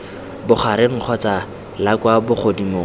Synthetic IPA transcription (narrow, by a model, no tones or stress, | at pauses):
bʊχaɾɪŋ̩χʰɔt͡sa | lakwabʊχʰodimo